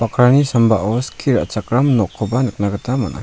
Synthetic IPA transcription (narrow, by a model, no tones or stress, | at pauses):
pakʰɾanisambaʔɔskʰiɾa̰t͡ʃakɾamnɔkʰːɔbanɯk̚naɡɯtamanʔa̰